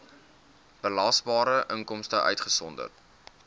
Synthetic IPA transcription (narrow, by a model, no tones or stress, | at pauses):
b̥əlɑːsbɑːɾəʔəŋkɔmstəʔœ̰ɥtχəsɔndə̰rt